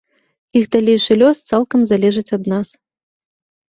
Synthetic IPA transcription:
ixd̪alʲejʂɨlʲɔst̪salˠkɐmzalʲɛʐɨt͡sʲɐd̪nas

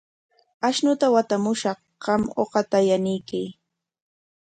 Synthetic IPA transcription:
aʃnʊt̪awat̪amʊʃɑχ | ɢɑmo̰qɑt̪ajanɪjkɪj

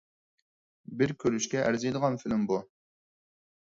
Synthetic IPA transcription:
bɪɾkʲʰøɾyʃkʲɛʔæɾzijd̪əʁɑnfɪlɪmbu

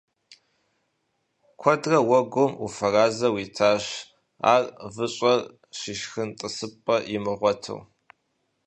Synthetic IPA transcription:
kʷʰɔdrɐwɐɡʷʊmṵfɐraːzɐwiːtʰaːɕ | a̰ːrvɨɕʼɐr | ʃiʃxɨntʼɨsɨpʼːɐjɪmɨʁʷɔtʰɨ̰w

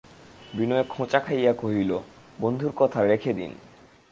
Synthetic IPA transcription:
binɔekʰõt͡ɕakʰajakoɦilo | bond̪ʱuɾkɔt̪ʰaɾekʰed̪ḭn

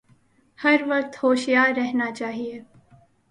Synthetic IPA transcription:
hɐɾʋɐq̚t̪hoːʃijaːɾːɛɦnat͡ʃaːɦieː

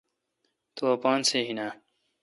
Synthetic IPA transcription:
t̪oɐpaːnseːɦinaː

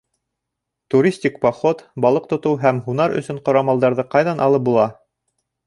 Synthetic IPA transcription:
t̪uɾʲisʲtʲikpoχot̪bɑlˠɤq̚t̪ŏt̪ɤwɦæmɦunɑɾɵ̰̆sɵɴqŏɾɑmɑlˠd̪ɑɾðɤqɑjðɑnʔɑlˠɤp̚bulˠɑ

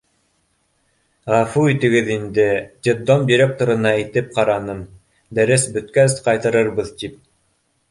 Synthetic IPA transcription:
ʁɑfuit̪ɘ̆ɡɘðind̪ɘd̪ʲed̪omd̪ʲiɾʲek̚t̪ŏɾɤ̆nɑit̪ɘp̚qɑɾɑnɤm | d̪æɾɘsbɵ̆t̪̚kæsqɑjt̪ɤ̆ɾɤɾβɤðt̪ip̚

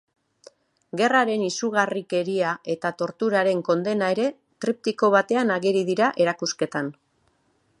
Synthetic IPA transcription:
ɡe̞raɾe̞nisuɣ̞arike̞ɾiaʔe̞t̪at̪o̞ɾt̪uɾaɾe̞ŋko̞nd̪e̞nae̞ɾe̞ | t̪ɾip̚t̪iko̞βat̪e̞anaɣeɾið̞iɾaʔe̞ɾakuske̞t̪an

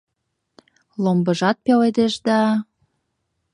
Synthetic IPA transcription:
lombə̆ʒɑt̪̚peled̪eʃd̪ɑ

